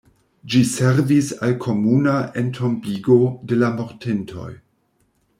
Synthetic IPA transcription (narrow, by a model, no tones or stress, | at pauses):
d͡ʒiseɾvisalkʰo̞munaʔentʰo̞mbiɡo̞de̞lamo̞ɾtentʰo̞̰j